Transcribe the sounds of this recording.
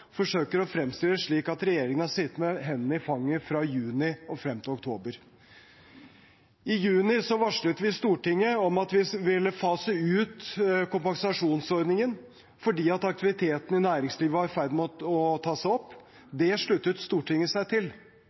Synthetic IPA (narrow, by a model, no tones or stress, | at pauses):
fɔʂøːkəɾɔfɾɛmst̪ɪləʂɭiːkɑt̪ɾɛjeːɾɪŋənɑsɪt̪ːmɛɦɛnːəɪfɑŋːəfɾɑjʉːnɪɔfɾɛmːt̪ʰɪlɔk̚t̪ʰoːbəɾ | ɪjʉːnɪsɔʋɑʂɭət̪ʋɪst̪uːʈɪŋːəɔmɑt̪ʋɪʋɪlːəfɑːsæʉːt̪kʊmpɑŋsɑʂuːnsɔɾd̪nɪŋən | fɔɖiːɑt̪ɑk̚t̪ɪʋɪt̪ʰeːt̪n̩ɪnæːɾɪŋsliːʋəhɑɾfæɪd̪mɛɔt̪ɔt̪ʰɑːsæɪɔpː | d̪ɛʂɭʉt̪ːət̪st̪uːʈɪŋːəsæɪt̪ʰɪl